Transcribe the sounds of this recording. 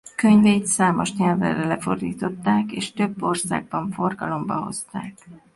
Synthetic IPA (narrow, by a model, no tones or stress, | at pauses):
kø̞ɲvejt̪saːmo̞ʃɲɛlvɛ̰rɛlɛfo̞̰rd̪ḭːt̪o̞t̪ːaːkḛːʃt̪ø̞bːo̞rsa̰ːɡ̚bɒɱfo̞rɡɒlo̞mbɒɦo̞̰st̪a̰ːk